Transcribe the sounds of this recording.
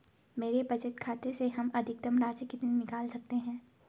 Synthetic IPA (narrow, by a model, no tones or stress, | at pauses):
meːɾebɐd͡ʒət̪kʰaːt̪eseɦɐmɐd̪ʱɪk̚d̪ɐmɾaːd͡ʒjəkid̪ɪnːɪkaːlsɐk̚t̪eɦɛ̃ː